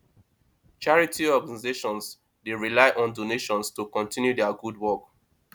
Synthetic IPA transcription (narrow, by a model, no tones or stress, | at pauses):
t͡ʃaɹitʰiɔɡanizeʃɔ̃ns | deɹilaɪʔɔ̃ndoneʃɔ̃nstukɔ̃ntĩnjudɛaɡud̚wɔk